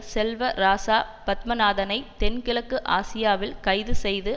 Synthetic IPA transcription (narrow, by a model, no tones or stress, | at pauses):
sɛlʋɐɾaːsaːpɐt̪̚mɐnaːðɐnɐɪt̪ɛnkɪɭɐkːɯʔaːsɪjaːʋɪlkɐɪðɯsɛjðɯ